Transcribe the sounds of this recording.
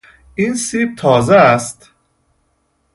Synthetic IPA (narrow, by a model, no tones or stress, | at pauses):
iːnsiːb̚t̪ʰɒːzeæst̪